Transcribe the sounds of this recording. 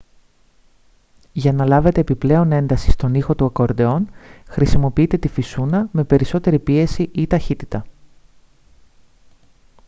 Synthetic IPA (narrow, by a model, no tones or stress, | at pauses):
ʝɐnɐlɐve̞t̪e̞ːpiple̞o̞ne̞nd̪ɐsi̥st̪o̞nixo̞t̪uɐko̞ɾd̪eo̞nxɾisimo̞piit̪e̞t̪ifisunɐme̞pe̞ɾiso̞t̪e̞ɾipie̞siʔit̪ɐçit̪it̪ɐ